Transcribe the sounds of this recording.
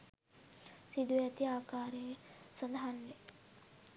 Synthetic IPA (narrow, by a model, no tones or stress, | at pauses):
sid̪ujat̪iaːkaːɾeːsənd̪aɦanle